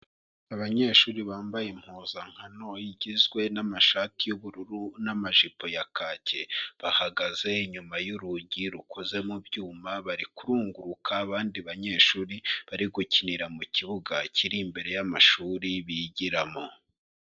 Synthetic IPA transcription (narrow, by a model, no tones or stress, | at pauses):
aβaɲe̞ːʃuːɾiβaːmbajem̥hoːzaŋ̥hano̞jiɟizɡwe̞namaʃatijuβuɾuɾunamaʒipo̞jakacʰe̞βahaɡaze̞iɲumajuɾuɟiɾukʰoze̞mubjuːmaβaɾikuɾuːŋɡuɾukʰaβaːndiβaɲe̞ːʃuːɾiβaɾiɡuciniɾamuciβuɡacʰiɾimbe̞ɾe̞jamaʃuːɾiβiɟiɾamo